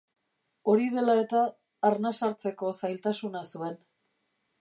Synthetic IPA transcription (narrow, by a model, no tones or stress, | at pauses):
o̞ɾið̞e̞lae̞t̪aː | ɾnasaɾt͡se̞ko̞sajlt̪asunasue̞n